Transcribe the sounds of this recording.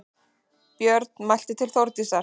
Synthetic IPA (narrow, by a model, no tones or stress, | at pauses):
pjœɾt̪̚nmajl̥t̪ɪt̪ʰɪlθowɾt̪isaɾ